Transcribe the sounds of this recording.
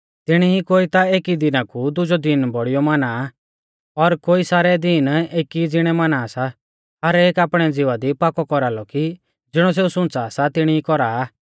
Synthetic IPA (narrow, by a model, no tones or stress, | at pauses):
t̪ɪɽ̃iikoːit̪aeːkid̪ɪnãkud̪ʊd͡ʒɔd̪ɪnbɔɽɪjɔmaːna | ɔɾkoːisaːɾɛd̪ɪneːkid͡zɪɽ̃ɛmanasa | aɾɛeːkaːpɽ̃ɛd͡zɪʋad̪ipaːkɔkɔɾalɔki | d͡zɪɽ̃ɔ̃s̬eːusʊ̃nt͡saːsat̪ɪɽ̃iikɔɾaː